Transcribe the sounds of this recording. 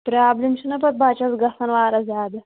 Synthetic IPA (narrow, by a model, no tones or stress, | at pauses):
pɾaːblimʃinɐpɐt̪̚baːt͡ʃɐzɡɐsɐnʋaːɾɐzʲjaːd̪ɐ